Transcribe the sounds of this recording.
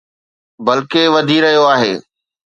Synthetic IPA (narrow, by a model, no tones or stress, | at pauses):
bɐlkeʋɐd̪ʱiɾɐɦijoaːɦeː